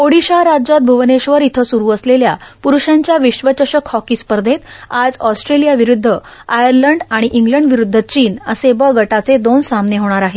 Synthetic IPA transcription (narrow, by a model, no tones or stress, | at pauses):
oɽiɕaɾad͡ʑat̪̚bʱuʋneɕʋəɾit̪ʰəsuɾuːəsleljapuɾuɕãɲt͡ɕjaʋiɕʋət͡ɕəɕəkhɔkiːspəɾd̪ʱet̪ad͡zɔsʈɾelijaʋiɾud̪ʱːə | ajəɾləɳɖaɽ̃iʔiŋɡləɳɖʋiɾud̪ʱːət͡ɕiːnəsebəɡʱəʈat͡sed̪onsamneɦoɽ̃aɾaɦe